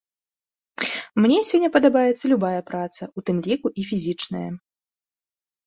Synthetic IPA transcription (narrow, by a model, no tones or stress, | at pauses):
mnʲɛsʲɔnʲːɐpɐd̪abajɛt̪sːɐlʲubajɐpɾat̪sɐut̪ɨmlʲikuʔifʲizʲit͡ʂnɐjɐ̰